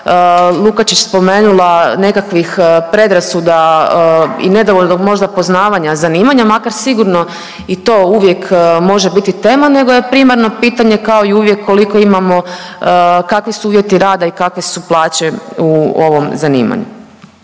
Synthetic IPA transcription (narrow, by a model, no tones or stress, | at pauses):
lˠukat͡ʃit͡ɕspo̞me̞ːnulˠane̞kakʋixpɾe̞d̪ɾasud̪a | ḭne̞d̪oʋoʎnd̪oɡmo̞ʒd̪apo̞znaːʋaɲazaniːmaɲamakaɾsiɡuɾno̞ | it̪o̞ːuʋje̞kmo̞ʒe̞bit̪it̪e̞ːmane̞ɡoje̞pɾiːmaɾno̞piːt̪aɲe̞kao̞iuʋjekʰːo̞liko̞imamo̞ | kakʋisuuːʋjet̪iɾaːd̪aikakʋesuplˠaːt͡ɕe̞uoʋo̞mzanḭːma̰ɲṵ